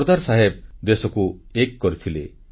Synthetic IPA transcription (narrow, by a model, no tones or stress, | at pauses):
ɾd̪aɾsaɦeb̚d̪esɔku | ekːɔɾit̪ʰile